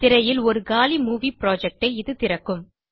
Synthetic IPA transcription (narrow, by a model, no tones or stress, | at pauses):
t̪ɪɾɐjɪlɔɾɯɡaːlimuːʋipɪɾoːd͡ʒɛk̚ʈɐɪɪðɯt̪ɪɾɐkːɯm